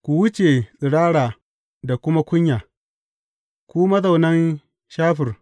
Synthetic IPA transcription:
kʷu˨wʊ˦t͡ʃe˨sʼɪ˨ɽaː˦ɽaː˨ | da˨kʷʊ˦ma˦kʷʊ˦ɲjaː˨ | kʷuː˦mɐ˦za˨wnɐ˦n | ʃaː˦ɸɪ˨r

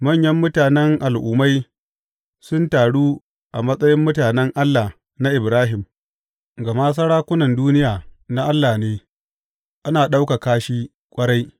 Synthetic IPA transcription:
mɐ˦˨ɲjɐ˦mːʊ˦taː˨nɛ˦ŋʔa˨lʔuː˨ma˦j | sʊ˦ntaː˨ɽuː˦ | ʔa˨mɐ˦sʼɐ˦jɪ˦mːʊ˦taː˨nɛ˦ŋʔa˦lːa˨ | na˦ʔɪ˨bɾaː˦ɦɪ˨m | ɡa˨maː˦s̬ɐ˦ɽaː˦kʷʊ˦nɐ˨nduː˦nɪ˦jaː˨na˦ʔa˦lːaː˨neː˦ | ʔa˦naː˨ɗa˦wka˨kaː˦ʃiː˦ | kʷʼɐ˦ɽa˦j

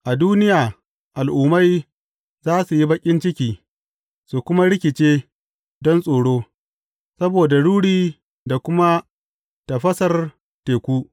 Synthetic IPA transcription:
ʔa˨duː˦nɪ˦jaː˨ | ʔa˨lʔʊ˨ma˦j | zaː˦su˨ji˦bɐ˦kʲʼɪ˦nt͡ʃɪ˦kʲiː˨ | su˨kʷʊ˦ma˦ɽɪ˦kʲɪ˨t͡ʃeː˦ | dɔ˦nsʼoː˨ɽoː˦ | sɐ˦boː˨da˨ɽuː˦ɽiː˦ | da˨kʷʊ˦ma˦ | ta˨ɸɐ˦sɐ˨r | teː˨kʷuː˦

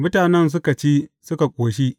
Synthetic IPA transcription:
mʊ˦taː˨nɛ˦ns̬ʊ˦ka˨t͡ʃiː˦sʊ˦ka˨kʷʼoː˨ʃiː˦

